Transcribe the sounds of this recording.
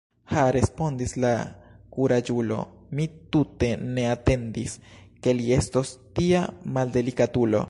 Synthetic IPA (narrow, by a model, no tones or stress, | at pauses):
haɾe̞spo̞nd̪islakuɾad͡ʒulo̞̰ | mit̪ut̪e̞ne̞at̪e̞nd̪iske̞lie̞st̪o̞st̪iamald̪e̞likad̪ulo̞̰